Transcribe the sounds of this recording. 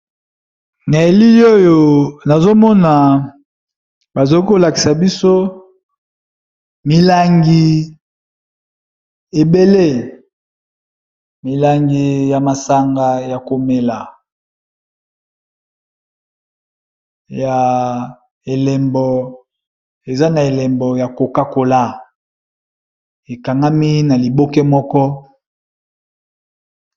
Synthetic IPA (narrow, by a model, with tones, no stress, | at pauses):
na˨e˨li˦o˦jo˨na˨zo˦mɔ˦na˨ | ba˨zo˦ko˦la˨ki̥˨sa˨bi˦so˦ | mi˨la˦ŋɡi˦ | e˨be˦le˦ | mi˨la˨ŋɡi˦ja˨ma˨sa˦ŋɡa˦ja˨ko˨me˨la˨ | ja˨ | e˨lɛ˨mbɔ˨ | e˨za˦na˨e˨lɛ˨mbɔ˨ja˨ko˨ka˦ko˨la˦ | e˨ka˨ŋɡa˦mi˦na˨li˨bo˦kɛ˦mɔ˦kɔ˦